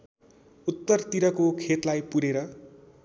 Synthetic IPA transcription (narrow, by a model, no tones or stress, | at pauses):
ut̪ːʌrt̪iɾʌkokʰet̪lajpuɾeɾʌ